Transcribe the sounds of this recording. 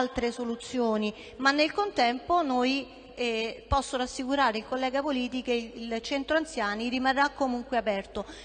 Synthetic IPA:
lt̪ɾesolut̪sːjoːni | manːelkont̪ɛmponoj | pɔsːoɾasːikuɾaːɾeilkolːɛːɡapoliːt̪ikeilt͡ʃɛnt̪ɾoant̪sjaːnirimarːakːomuŋkweapɛrt̪o

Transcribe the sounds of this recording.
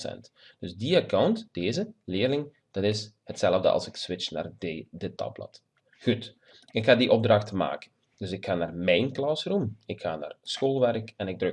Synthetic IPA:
sɛ̰nt | d̥ɵzdiakawntd̥eːzəlɪːrlɪŋ | d̥ɑtɪshətsɛləvdə̰ɑ̰lˠsɪksʋɪt͡ʃna̰ːrdətːɑ̰blɑ̰t | ɣut | ɪkxaːdiʔɔb̚drɑxtəma̰ːkə̥n | d̥ɵsɪkxaːnaːrmɛjnklɑsrumɪkxa̰ːna̰ːrsxoːlˠʋɛrkɛnɪɡ̚drø

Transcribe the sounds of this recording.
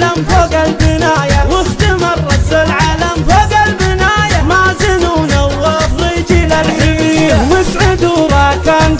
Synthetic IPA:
lamfoːɡalbɪnaːjawʊst̪amɑɾˤːɑsalʕaːlamfoːɡalbɪnaːjamaːzɪnunawːɑfˤɾiːd͡ʒɪlalħɪɪjamɪsʕɪd̪uɾˤɑːkaːn

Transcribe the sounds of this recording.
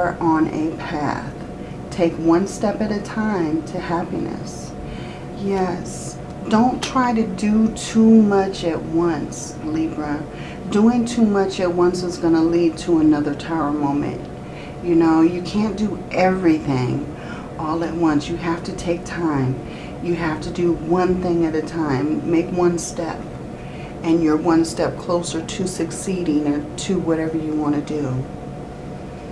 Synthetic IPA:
ə˞ʔə̃nʔɨ̰pʰæ̰θ | tʰeɪkwʌ̃nstɛpɨɾɨtʰãɪ̃mtʰɨhæpḭnɨ̰s | jɛs | d̥õʊ̃ntʰɹ̥aɪɾɨdɨtʰumʌt͡ʃɨt̚wʌ̃ns | libɹɨ | d̥uɪ̃ŋtʰumʌt͡ʃɨt̚wʌ̃nsəzɡʌnəlid̚tʰəənʌðə˞tʰaʊə˞mõʊ̃mɨ̰̃nʔ | jɨnoʊjɨkʰæ̃nd̥ɨʔɛvɹiθɪ̃ŋ | ʔɔlˠɨt̚wʌ̃nsjɨɦæftɨtʰeɪk̚tʰãɪ̃m | jɨɦæftɨdɨwʌ̃nθɪ̃ŋɨɾɨtʰãɪ̃mːeɪkwʌ̃nstɛp̚ | ɨ̃njə˞wʌ̃nstɛp̚kʰl̥oʊsə˞tʰʉsɨksiɾɪ̃ŋə˞tʰʉwʌɾɛvə˞jɨwɑ̃ɾ̃ɨdɨ

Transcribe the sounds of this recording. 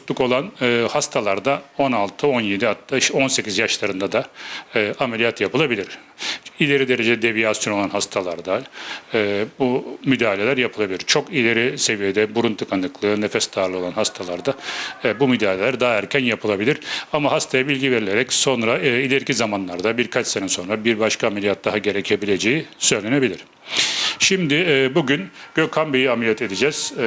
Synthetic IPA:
t̪lˠuko̞lˠanɯhast̪ʰalˠaɾd̪ao̞nalˠt̪ʰɯo̞nje̞d̪ihat̪ːao̞nse̞cizjaʃlˠaɾɯnd̪ad̪aː | amelʲijat̪japɯlˠabilʲiɾ̥ | ilʲe̞ɾid̪e̞ɾed͡ʒed̪ɛd̪e̞vijasjo̞no̞lˠanɦast̪ʰalˠaɾd̪aː | bumyd̪aːɦlʲe̞lʲæɾjapʰɯlˠabilʲiɾt͡ʃʰo̞kilʲe̞ɾise̞vijed̪ɛbuɾunt̪ʰɯkʰanɯklˠɯːne̞fɛsd̪aɾlˠɯo̞lˠanɦast̪ʰalˠaɾd̪abumyd̪aːlʲelʲæɾd̪aːæɾcʰænjapʰɯlˠabilʲiɾ̥amaɦast̪ʰajabilʲɟʲive̞ɾilʲeɾɛcso̞nɾailʲeɾcʰizamanlˠaɾd̪abiɾkʰat͡ʃsenɛso̞nɾabiɾbaʃkʰaːmelʲijat̪̚d̪aɦaɟe̞ɾecʰe̞bilʲe̞d͡ʒejisø̞jlʲe̞nebilʲiɾ̝̥ | ʃimd̪ɪːbuɟynɟ̥økʰambijiamelʲijɛt̪e̞d̪id͡ʒɛz̥

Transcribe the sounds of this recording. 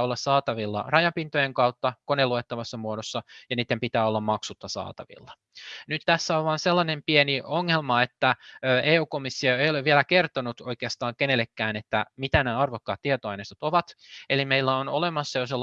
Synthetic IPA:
olːɑssɑːt̪ɑʋilːɑ̰rɑjɑmpint̪ojeŋkɑut̪ːɑkoneluet̪ːɑʋɑsːɑmuodosːɑjɑniːt̪ːempit̪æːolːɑmmɑksut̪ːɑsɑ̰ːt̪ɑʋḭlːɑ | nyt̪t̪æsːæoʋʋɑːnselːɑnempienioŋːelmɑet̪ːæøːʔeːuːkomisːioeijoleʋʋielækert̪onut̪oikeɑst̪ɑːŋkenelːekːæːnet̪ːæmit̪ænæːɑrʋokːɑːt̪tiet̪oɑjnest̪ɑt̪oʋɑt̪elimeilːæonolemɑsːɑjoselː

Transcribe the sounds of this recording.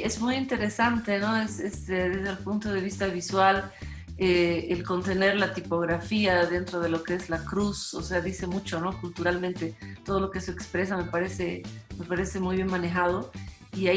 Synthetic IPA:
e̞zmujint̪e̞ɾe̞sant̪eno̞esest̪eðezðelpunt̪o̞ð̞e̞β̞ist̪aβ̞iswal | eːlko̞nt̪e̞ne̞ɾlat̪ipo̞ɣɾafiaðe̞nt̪ɾo̞ð̞e̞lo̞keezlakɾuso̰se̞aðise̞mut͡ʃo̞no̞kult̪uɾalmẽnt̪e̞t̪o̞ð̞o̞lo̞keesoekspɾe̞same̞paɾe̞se̞me̞paɾe̞se̞mujβje̞nmane̞xað̞o̞ia

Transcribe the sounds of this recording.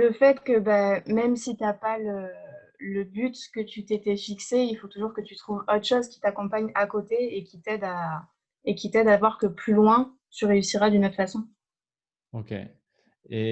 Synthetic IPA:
ləfɛt̪kəbɛmɛmsit̪yapalə | ləbyt̪kət̪yt̪et̪ɛfikseilfot̪uʒuʁkət̪yt̪χuvɔt̪χəʃozkʲi̥t̪akɔ̃paɲakot̪eekʲit̪ɛd̪a | ekʲit̪ɛd̪avwaʁkəplylwɛ̃ | t̪yʁeysiʁad̪ynot̪χfasɔ̃ | okʲḛ | ḛ

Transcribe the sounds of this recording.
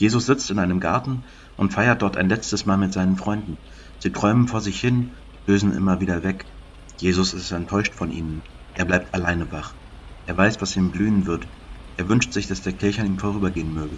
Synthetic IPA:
jeːzʊsz̥ɪt͡stɪnʔaɪnəmɡa̰ɐtn̩ | ʔʊntfaɪɐt̚d̥ɔɐtʰa̰ɪnlɛt͡stəsmaːlmɪtz̥aɪnənfʁ̥ɔʏndn̩ | z̥iːtʁ̥ɔʏmənfoːɐzɪçhɪn | løːzn̩ʔɪ̰mɐviːdɐvɛk | jeːzʊsɪstɛntʰːɔʏʃtfɔnʔḭːnən | ʔeːɐblaɪp̚tʰalaɪnəvaχ | ʔeːɐvaɪsv̥asʔiːmblyːənvɪɐt | ʔeːɐvʏnʃtz̥ɪçd̥asd̥eːɐkʰɪɐçaniːmfoːʁyːbɐɡeːənmøːɡə

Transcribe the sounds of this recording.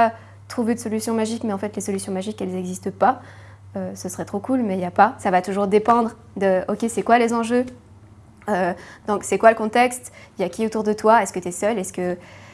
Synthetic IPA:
a | t̪χuved̪əsɔlysjɔ̃maʒikmɛɑ̃fɛt̪lesɔlysjɔ̃maʒikɛlzɛɡzist̪əpa | øsəsəʁɛt̪χokulmɛjapasavat̪uʒuʁd̪epɑ̃d̪ʁ | d̪əɔkʲesɛkwalezɑ̃ʒø | ød̪ɔ̃ksɛkwaləkɔ̃t̪ɛkst̪ijakʲiot̪uʁd̪ət̪waɛskət̪yɛsœlɛskə

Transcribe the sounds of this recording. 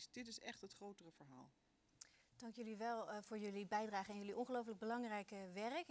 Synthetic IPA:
sd̥ɪtɪsɛχtɦətχrowtərəvəɹɦa̰ːlˠ | d̥ɑŋkjɵliʋɛlˠv̥ʊːɹjɵlibɛjdraːχəɛnjɵliʔɔnχəlowf̬ələɡ̚bəlɑŋrɛjkʋɛrək

